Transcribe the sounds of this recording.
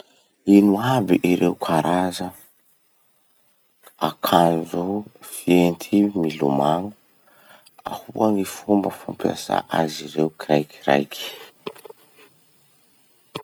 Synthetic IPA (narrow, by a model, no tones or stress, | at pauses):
inuabiʔiɾewkʰaɾazə | akʰand͡zufient̪ʰimilumaŋu | a̰huanifumbəfampia̰sa̰ʔaziɾewkiɾajki̥ɾa̰jkʰi̥